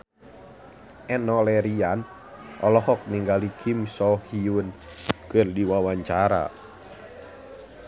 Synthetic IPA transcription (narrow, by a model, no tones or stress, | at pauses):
ɛnɔlɛɾian | ʔɔlɔhɔk̚niŋɡalikʰimsɔhiun | kɨrdiwawaɲt͡ʃaɾa̰